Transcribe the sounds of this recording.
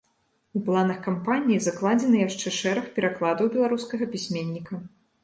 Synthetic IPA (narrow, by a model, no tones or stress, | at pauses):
uplˠanɐxkampanʲijizaklˠad͡zʲɛnɨjaʂt͡ʂɛʂɛɾɐxpʲɛɾaklˠad̪ɐwbʲɛlˠaɾuskɐɣɐpʲisʲmʲenʲːikɐ